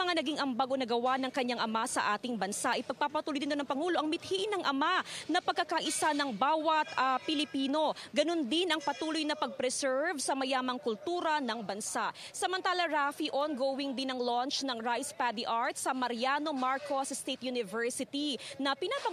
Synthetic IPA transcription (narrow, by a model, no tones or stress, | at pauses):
ɐŋanɐɡiŋʔɐmbaɡonɐɡɐwanɐŋkɐɲːaŋʔɐmasɐ̰ʔaːt̪ɪŋbɐnsaʔɪpɐɡ̚papɐt̪ulʊjd̪ɪnonɐŋpɐŋuːlo̞ʔɐŋmɪt̪̚hiʔɪnɐŋʔɐmanɐpɐɡ̚kːɐkɐʔɪsanɐŋbaːwɐt̪̚ɐpɪlɪpiːno̞ɡɐno̞nd̪ɪnɐŋpɐt̪uːlʊjnɐpɐɡ̚pɾɛsɛɹvsɐmɐjaːmɐŋkʊlt̪uːɾɐnɐŋbɐnsaʔ | sɐmɐnt̪aːlɐɹafiʔonɡowɪŋd̪ɪnɐŋlont͡ʃnɐŋɹajspad̪iʔaɹt̪̚sɐmɐɾjano̞maɹkosɐst̪ɛt̪junɪvɛɹsɪt̪inɐpɪnaːpɐ